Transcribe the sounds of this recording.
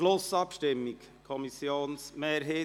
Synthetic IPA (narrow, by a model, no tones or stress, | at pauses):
losɑpʃtɛmɪɡ | kʰɔmisjoːnsmeːɾɦeː